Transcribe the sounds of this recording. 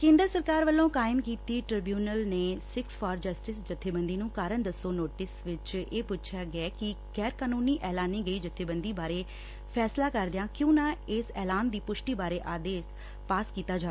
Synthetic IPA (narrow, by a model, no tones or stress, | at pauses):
kẽːnd̪əɾsəɾkaːɾʋəlːõːkaːɪmkiːt̪iːʈɾɪbjuːnəlneːsɪksfʰɔːɾd͡ʒəsʈɪsd͡ʒət̪ʰːeːbənd̪iːnũːkaːɾəɳd̪əsːoːnoːʈɪsʋɪt͡ʃeːpʊt͡ʃʰjaːɡɛːkɪ | ɡɛːɾkaːnuːniːʔɛːlaːniːɡəiːd͡ʒət̪ʰːeːbənd̪iːbaːɾeː | pʰɛːslaːkəɾd̪ɪjãːkjõːnãːɪsɛːlaːnd̪iːpʊʃʈiːbaːɾeːʔaːd̪eːs | paːskiːt̪aːd͡ʒaː